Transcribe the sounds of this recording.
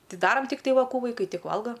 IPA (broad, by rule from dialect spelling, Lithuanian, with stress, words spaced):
ˈtɐɪ ˈdɑːrɐm tʲɪkˈtɐɪ ˈʋɐ ˈkuː ʋɐɪˈkɐɪ ˈtʲɪk ˈʋɐlˠɡɐ